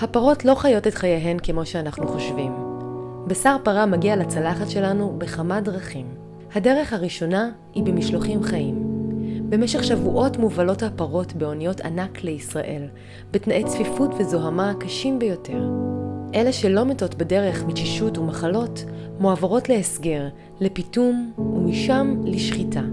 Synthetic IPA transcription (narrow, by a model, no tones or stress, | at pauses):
hapaʁo̞tlo̞χajo̞tetχajeɦe̞nkemo̞ʃeanaχnuχo̞ʃvim | besaʁpaʁamaɡialat͡salaχatʃe̞lanube̞χamadʁaχim | hadeʁe̞χhaʁiʃo̞na | hibemiʃloχimχaimbe̞meʃeχʃavuʔo̞tmuvalo̞thapaʁo̞tbe̞o̞nijo̞tʰa̰nakleisʁa̰ʔe̞̰l | betnaʔet͡sfifutvezo̞ɦamakaʃimbejo̞tʰe̞ʁʔe̞leʃelo̞meto̞tbede̞ʁe̞χmit͡ʃiʃutumaχalo̞t | moavaʁo̞tleːsɡeʁ | lepitumumiʃamliʃχitʰa